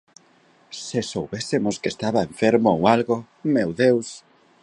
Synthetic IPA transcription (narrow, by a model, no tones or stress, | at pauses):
sesowβesemʊskest̪aβaeɱfeɾmoowalɣo | mewðews